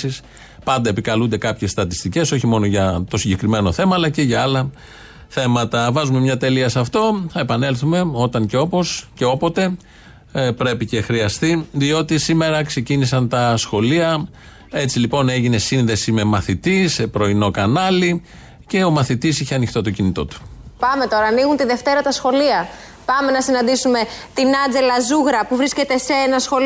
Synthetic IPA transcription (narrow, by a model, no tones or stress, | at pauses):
is | pɐnd̪ɐepikɐlund̪e̞kɐpçe̞sst̪ɐt̪ist̪ice̞so̞çimo̞no̞ʝɐt̪o̞siɲɟe̞kɾime̞no̞θe̞mɐːlɐce̞ʝɐɐlɐ | θe̞mɐt̪ɐvɐzume̞mɲɐt̪e̞liɐsɐft̪o̞θɐe̞pɐne̞lθume̞o̞t̪ɐɲce̞o̞posceo̞po̞t̪e̞ | pɾe̞pice̞xɾiɐst̪iðio̞t̪isime̞ɾɐkse̞cinisɐnt̪ɐsxo̞liɐ | e̞t͡silipo̞neʝine̞sinðe̞sime̞mɐθit̪isepɾo̞ino̞kɐnɐli | ce̞o̞mɐθit̪isiçeɐnixt̪ot̪ocinit̪o̞̰t̪u̥pɐme̞t̪o̞ɾɐːniɣunt̪iðe̞ft̪e̞ɾɐt̪ɐsxo̞liɐ | pɐme̞nɐsinɐnd̪isume̞t̪inɐd͡ze̞lɐzuɣɾɐpuvɾisce̞t̪e̞seenɐsxo̞l